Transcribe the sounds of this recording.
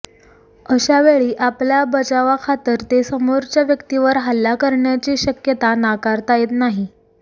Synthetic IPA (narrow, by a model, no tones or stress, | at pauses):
əɕaʋeɭiːʔapljabət͡ɕaʋakʰat̪əɾt̪esəmoɾt͡ɕjaʋjəkt̪iʋəɾɦəlːakəɾɳjat͡ɕiːɕəkjət̪anakaɾt̪ajet̪naɦi